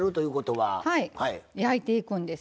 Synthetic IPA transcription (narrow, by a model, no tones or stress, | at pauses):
ɾɯ̟t̪o̞jɯ̟ːko̞t̪o̞βahaihaijait̪e̞ikɯ̟̃nd̪e̞s